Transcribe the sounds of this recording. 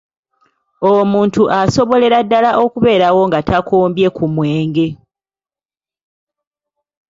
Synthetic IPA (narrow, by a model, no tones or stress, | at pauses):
omuːntuʔaso̞βo̞le̞ɾadːalaʔo̞kuβe̞ːɾawo̞ŋɡatʰakʰoːmbje̞kumweːŋɡe̞